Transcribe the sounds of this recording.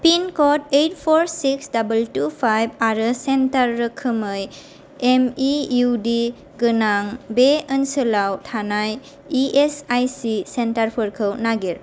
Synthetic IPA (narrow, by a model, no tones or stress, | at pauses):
pinkɔtejt̚pʰɔɾsiksdabəltupʰajb̚aɾɯsentaɾːɯkʰɯmɯj | emijudi | ɡɯnaŋbeənsɯlawtʰanaj | iesajsisentaɾpʰɯɾkʰɯwnaɡiɾ